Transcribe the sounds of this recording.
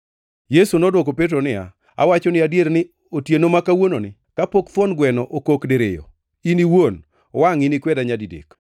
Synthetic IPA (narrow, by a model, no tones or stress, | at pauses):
jesunɔdwɔkopet̬ɾonɪa̰ | a̰wat͡ʃɔnɪadjeɾnɪ | otjenomakawononɪ | kapokt̪wɔnɡwɛnɔʔokokdeɾḛjɔ̰ | iniwon | waŋinikwɛdaɲadidḛk